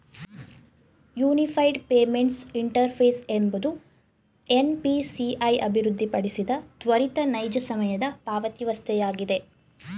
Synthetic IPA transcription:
juːnipʰɐjɖpeːme̞ɳʈsiɳʈɐɾpʰeːsembud̪u | enpisiɐjɐ̰bʱiɾud̪ʱːipɐɽisid̪ɐt̪ʋɐɾit̪ɐnɐjd͡ʒɐsɐmɐjɐd̪ɐpaːʋɐt̪iʋɐst̪ʰɛjaːɡid̪e̞

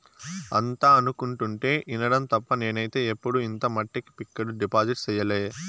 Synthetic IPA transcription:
ɐnt̪aːɐnukuɳʈuɳʈe̞ːʔinɐɽɐmt̪ɐpːɐne̞ːnɐjit̪e̞ːepːuɽuint̪ɐmɐʈːiki̥pikːɐɾuɖipaːd͡ʒiʈsɛjɐleː

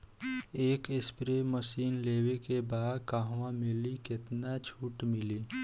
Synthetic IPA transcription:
eːkɪspɾeməsiːnleːwekebaːd̪kaːɦwãmɪlikɪt̪nat͡ʃʰuːʈmɪliː

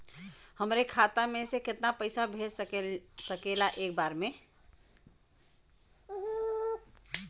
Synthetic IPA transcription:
həmɾekʰat̪amẽsekɪt̪napəɪsabʱe | səkelaʔeːk̚baɾme

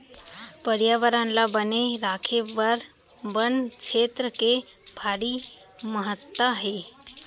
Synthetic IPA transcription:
pəɾjaːʋəɾə̃nlabəneɾaːkʰeʋəɾ | bənkʃeːt̪ɾəkebʱaːɽiməɦət̪ːaɦeː

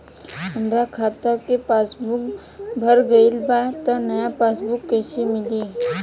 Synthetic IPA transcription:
ɐmɾakʰaːt̪akepaːsbʊk | bʱəɾɡɐilbat̪ɔnɐjapaːsbukːeːsimɪli

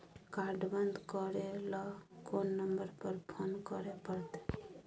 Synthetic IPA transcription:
kaɾɖbənd̪kɔɾelɔkonːəmbəɾpəɾpʰonkəɾepəɾt̪e

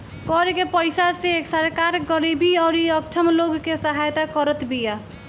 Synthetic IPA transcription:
kɔɾkepəɪsaseːksəɾkaɾɡəɾibiɔːɾiəkt͡ʃʰəmloɡːesəɦajt̪akəɾət̪bija

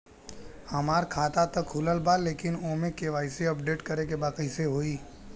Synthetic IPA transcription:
hɐmaːɾkʰaːt̪at̪ɐkɦʊləlbaleːkɪnoːmẽkeʋaːɪseɐp̚ɖeːʈkɐɾekebaːqəɪseɦoːiː

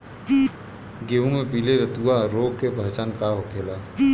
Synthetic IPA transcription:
ɡeːũmẽpiːleɾət̪uaɾoːɡ̚kebʱət͡ʃankaɦokʰeːlaː

